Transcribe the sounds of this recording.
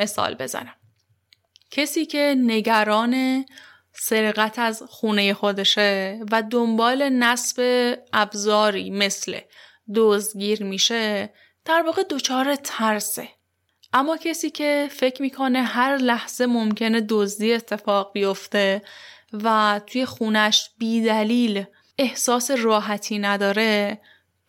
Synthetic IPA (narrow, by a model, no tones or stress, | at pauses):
me̞sɒ̰ːlbe̞zæ̰næm | cʰesiːcʰe̞ne̞ɟæɾɒːne̞ | se̞ɾɣæt̪ʰæzxuːne̞je̞xo̞d̪e̞ʃevæd̪ombɒːle̞næsb̥e̞ʔæbzɒːɾḭːme̞slḛ | d̪ozd̪ɡiːɾmiːʃe̞ | d̪̥æɾvɒːɣe̞d̪ot͡ʃʰɒːɾe̞t̪ʰæɾsḛ | ʔæmːɒːcʰesiːcʰe̞fe̞cʰmiːkʰo̞ne̞ɦæɾlæhz̥e̞momcʰe̞ne̞d̪ozd̪iːe̞t̪ʰːe̞fɒːɣbijo̞ft̪e̞ | væt̪ʰuje̞xuːnæʃb̥iːd̪æliːl | ehsɒːse̞rɒːɦæt̪ʰiːnæd̪ɒːɾe̞